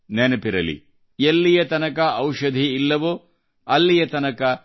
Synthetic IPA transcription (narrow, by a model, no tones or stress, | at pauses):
nɛnɐpiɾɐ̰lḭ | elːijɐt̪ɐnɐkɐʔɐwʂɐd̪ʱiːlːɐʋo | ɐlːijɐt̪ɐnɐkɐ